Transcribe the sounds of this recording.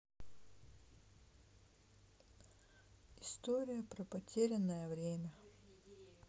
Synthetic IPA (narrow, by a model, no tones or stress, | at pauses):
ɪst̪oɾʲɪjəpɾɐpɐtʲeɾʲɪnːəjəvɾʲemʲə